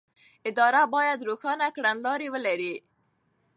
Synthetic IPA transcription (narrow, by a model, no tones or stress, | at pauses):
ɪd̪ɑɾabɑjad̪ɾoxɑnakɽanlɑɾiwəlaɾi